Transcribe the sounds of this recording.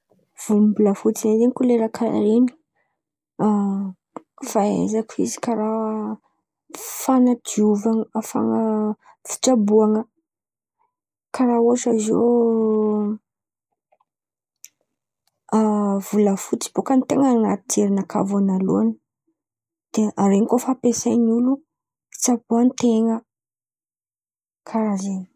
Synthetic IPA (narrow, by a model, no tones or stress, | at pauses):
v̥ummbuləfut͡sinazeɲkuleɾakʰa̰ɾeni̥ | faḛzakuizi̥kaɾa | fanad̪iuvaŋafa̰ŋə | fi̥ʈ͡ʂabuaŋə | kaɾauaʈ͡ʂazo̰ | avuləfut͡si̥b̥okanit̪eŋəna̰t̪i̥t̪eɾinaka̰vanalṵan | d̪̥eaɾeŋikofapesajnulu | fi̥t͡sabuanit̪eŋə | kʰaɾazen